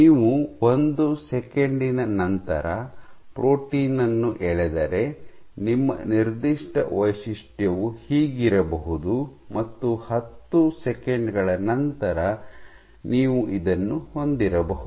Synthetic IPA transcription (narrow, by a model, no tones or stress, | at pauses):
niːʋuo̞nd̪usɛkeɳɖinɐnɐnt̪ɐ̰ɾɐpɾoːʈiːnɐnːuʔɛɭɛd̪ɐɾe̞nimːɐ̰niɾd̪iʂʈɐ̰ʋɐjʂiʂʈjɐʋuhiːɡiɾɐbɐɦud̪umɐt̪ːuhɐt̪ːusɛkeɳɖɡɐɭɐnɐnt̪ɐɾɐ | niːʋuʔid̪ɐnːuho̞nd̪iɾɐbɐɦu